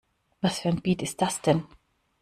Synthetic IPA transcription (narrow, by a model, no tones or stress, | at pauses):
vasfɛnbiːt̪ɪsd̪asd̪ɛn